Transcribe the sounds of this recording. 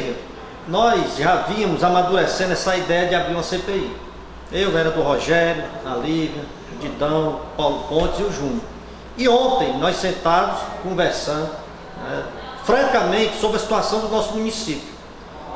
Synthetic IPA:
ɡɐ | nɔjzʒavĩɐ̃mʊzamad̪uɾesẽnd̪ɛsɐid̪ɛjɐd͡ʒɪabɾiũɐsepei | ewɛɾɐd̪ʊɦɔʒɛɾjʊɐliɡɐ | d͡ʒid̪ɐ̃w̃pawlʊpõt̪ɪziʊʒũɲʊ | ɪõnt̪ẽj̃nɔjsẽnt̪amʊskõvɛɾsɐ̃nd̪ʊ | nɛ | fɾɐ̃kɐmẽnt͡ʃɪ̥sobɾɐsi̥t̪uasɐ̃w̃d̪ʊnɔsʊmũnisipiʊ

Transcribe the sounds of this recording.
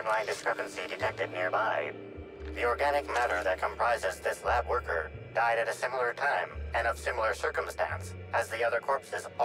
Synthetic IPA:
vlãɪ̃ndɨskɹəpn̩sidɨtʰɛk̚tɨdⁿnɪɹbaɪ | ðiɔɹɡænɨk̚mæɾə˞ðɨt̚kʰə̃m̩pʰɹ̥aɪzɨzðɪslæbwɜ˞kʰə̰˞d̥aɪɾɨɾɨsɪ̃ml̩ˠə˞tʰãɪ̃mɨ̃nʌv̥sɪ̃ml̩ˠə˞sɜ˞kə̃mstæ̰̃ns | ɨzðiʌðə˞kʰɔɹpsɨz

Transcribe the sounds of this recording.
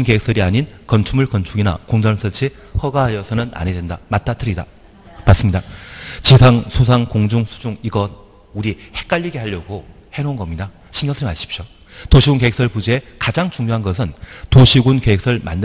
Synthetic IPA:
nkeeks͈ʌɾiaɲinkʌnt͡ɕʰumɯɭkʌnt͡ɕʰuɡina̰koŋd͡ʑʌns͈ʰʌɭt͡ɕʰi | hʌɡaɦajʌsʰʌnɯnʔa̰ɲedendamat̚t͈atʰɯɾida | mas͈ɯmɲidat͡ɕesʰaŋsʰosʰaŋkoŋd͡ʑuŋsʰu̥d͡ʑuŋiɡʌn | uɾihe̞k̚k͈aʎːiɡe̞haʎːʌɡohe̞nonɡʌmɲida | ɕʰiŋjʌsʰimaɕʰi̥p̚ɕ͈o | toɕʰiɡunkeek̚s͈ʌɭpud͡ʑiekad͡ʑaŋt͡ɕuŋɲoɦanɡʌs̬ʰɯntoɕʰiɡunkeek̚s͈ʌɭma̰nd

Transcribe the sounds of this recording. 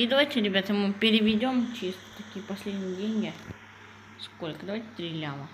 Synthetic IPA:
id̪ɐvajtʲɪɾʲɪbʲat̪əmɨpʲɪɾʲɪvʲɪdʲo̞mt͡ɕist̪ə̥t̪ɐkʲijəpɐsʲlʲedʲnʲɪjɪdʲenʲɡʲɪ | skolʲkəd̪ɐvajʲtʲɪ̥t̪ɾʲɪlʲamə

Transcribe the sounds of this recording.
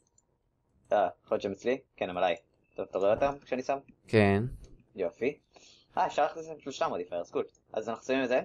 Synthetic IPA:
aχot͡ʃemet͡slikenemalaj | t̪ovt̪aʁoeot̪amkʃeanisamken | jofi | haefʃaʁlaχt̪isembiʃulʃtamod̪ifaeskul | a̰zanaχu̥savimeze

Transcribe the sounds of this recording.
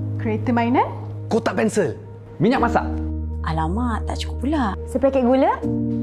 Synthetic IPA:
kɾiet̪əmajnakot̪aʔpɛnsəl | mĩɲak̚masa̰ʔʔalamat̪ːa̰ʔt͡ʃu̥kupːulasəpɾakɛʔɡulə

